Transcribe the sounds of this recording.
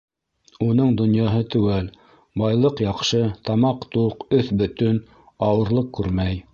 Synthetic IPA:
unɤɴd̪ŏnjɑɦɤt̪ʉ̆wæl | bɑjlˠɤqjɑqʃɤt̪ɑmɑqt̪uqɵθbɵ̆t̪ɵn | ɑwɤ̆ɾlˠɤq̚kːʉɾmæj

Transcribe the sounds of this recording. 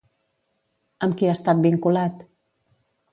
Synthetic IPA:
əmkiast̪at̪̚biŋkulat̪

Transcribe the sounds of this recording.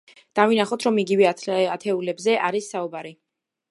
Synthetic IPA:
d̪̥avinaχɔt̪ʰɾɔmiɡivɛat̪ʰɛulɛbzɛʔaɾisːaubaɾi

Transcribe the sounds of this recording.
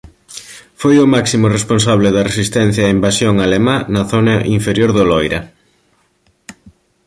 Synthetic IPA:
fojʊmaksimʊresponsaβlɪðɐresist̪ɛn̟θjaimbasjoŋalemãnɐθonaʔiɱfeɾjoɾðolojɾɐ

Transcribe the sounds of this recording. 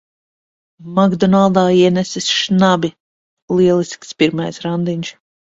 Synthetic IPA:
maɡd̪ɔnalˠd̪aːiɛnɛsisʃnabʲi | lˠiɛlˠisʲkspiɾmajsɾand̪iɲʲʃ

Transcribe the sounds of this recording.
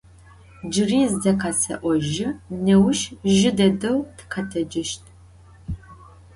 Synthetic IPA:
d͡ʒɪriːzdɐqɐsɐ̰ʔʷɔʒɪnɐwʃʒɪdɐdɐwtʰqʰɐtʰɐd͡ʒɪʃtʰʼ

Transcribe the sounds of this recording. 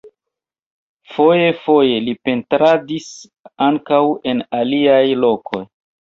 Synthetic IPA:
fo̞je̞fo̞je̞lipe̞ntɾadis | aŋkawe̞naliajlo̞kʰo̞̰j

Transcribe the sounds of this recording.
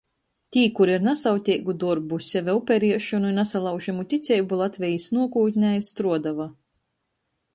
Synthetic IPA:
t̪ʲiːkuɾiɾnasawt̪ʲiɡud̪uɾbusʲɛvɛupʲɛɾiɛʃunuinasalˠawʒɛmut̪ʲit̪sʲɛjbulˠat̪vʲɛjisnuɔkuːt̪ʲnʲajst̪ɾuɔd̪ava

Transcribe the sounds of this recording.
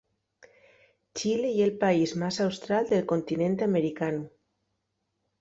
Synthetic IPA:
t͡ʃileielpaizmasawst̪ɾald̪elkont̪inẽnt̪ameɾikanu

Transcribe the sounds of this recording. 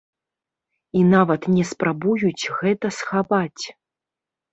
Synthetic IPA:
inavɐt̪nʲɛspɾabujut͡sʲɣɛt̪ɐsxapat͡sʲ

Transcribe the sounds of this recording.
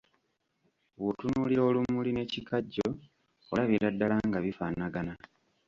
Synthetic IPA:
wotunuːliɾo̞ːlumuline̞ːcikʰaɟːo | olaβiɾadːalaŋɡaβifanaɡana

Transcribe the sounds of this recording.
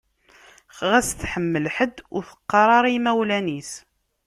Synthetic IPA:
χʁæsθħəmːəlħəd̪ːʊɾθə̥qːɑɾˤɑɾˤimæwlænis

